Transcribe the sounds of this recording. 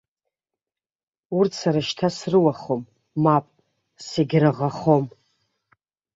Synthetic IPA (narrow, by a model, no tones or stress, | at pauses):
urt͡sʰaɾaʃtʰasrɨwaχom | mapʼ | seɡʲrɨʁaχom